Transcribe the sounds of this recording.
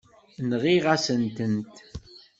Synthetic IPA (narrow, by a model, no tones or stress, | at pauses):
nʁiʁasənt̪ənt̪